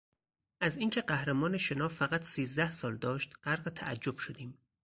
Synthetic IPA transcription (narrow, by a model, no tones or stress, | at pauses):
ʔæziːŋcʲʰe̞ɢæhɾæmɒːneʃe̞nɒːfæɣæt̪ʰsiːzd̪æhsɒːld̪ɒːʃt̪ɢ̥æɾɢet̪ʰæ̰ʔæ̰d͡ʒːo̞b̥ʃod̪iːm